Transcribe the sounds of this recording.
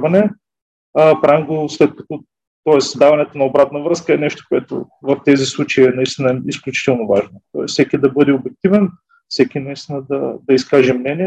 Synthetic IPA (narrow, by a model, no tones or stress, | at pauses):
vɐnɛ | əpɾaimɡoslɛt̪̚kɐ̥t̪ɔ | t̪ɔɛsd̪avɐnɛt̪onɐobɾat̪nɐvɾɤskəɛnɛʃt̪o̥koɛt̪o̰ | vɐft̪ɛzislˠut͡ʃɐiɛnɐist̪inəɛisklʲut͡ʃi̥t̪ɛlˠnovaʒnot̪ɔɛssɛkid̪ɐbɤd̪ɛobɛk̚t̪ivɛn | fsɛkʲinɐist̪inəd̪ɐd̪ɐiskaʒɛmnɛniɛ